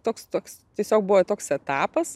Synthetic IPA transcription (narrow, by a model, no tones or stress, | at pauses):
t̪oːkst̪oːkst̪ʲiɛsʲoːk̚bʊʋɐt̪oːksɛt̪ɑːpɐs